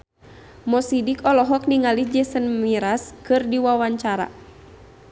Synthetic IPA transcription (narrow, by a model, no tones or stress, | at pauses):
mɔsidikɔlɔɦɔk̚niŋalid͡ʒɛsənmiɾaskɨrdiwawaɲt͡ʃaɾa̰